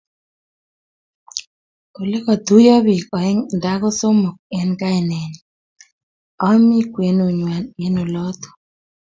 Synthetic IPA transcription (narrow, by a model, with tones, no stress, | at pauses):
ko˨le˦kɔ˨t̪u˦jɔ˦bi˨kɔ˨ɛ˦ŋda˦kɔ˦so˦mo˨k̚ɛ˨nka˦e˨nɛ˨ni˨ | ɔ˦mi˦kwe˨˦no˨ɲwa˨ne˨˦no˨lɔ˦t̪o̥˨